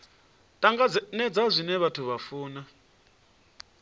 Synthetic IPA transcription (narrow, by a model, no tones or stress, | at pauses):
tʼaŋɡanɛd͡zazʷinɛβatʰuβafuːna